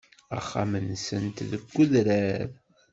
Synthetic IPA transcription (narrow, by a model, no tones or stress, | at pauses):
æ̰χːa̰mənsənt̪ðəɡʷːuðɾæɾ